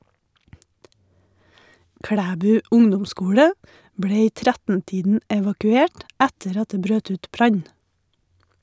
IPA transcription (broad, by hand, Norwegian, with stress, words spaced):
ˈkɽæːbʉː ˈʊŋdʊmˌskuːɽə ˈbɽeː ˈiː ˈtɾɛtn̩ˌtiːdn̩ ɛʋɑkʉˈeːʈ ˈɛtəɾ ˈɑt ˈdeː ˈbɾøːt ˈʉːt ˈbɾɑɲ